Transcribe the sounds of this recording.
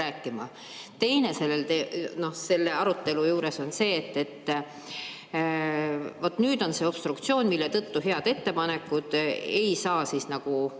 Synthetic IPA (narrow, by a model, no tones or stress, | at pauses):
æːkˑːimɑ | t̪e̞jne̞se̞lːelt̪eno̞hse̞lːe̞ɑɾut̪ːe̞lujuːɾe̞so̞nse̞ːt̪ːe̞t̪ː | vo̞t̪ːˑnyːd̪o̞nse̞o̞b̥st̪rukt̪sio̞ːnʲmilːe̞t̪ɤt̪ːuɦeɑd̪̥e̞t̪ːe̞pɑne̞kːˑud̪̥e̞jsɑːsisnɑɡ̥u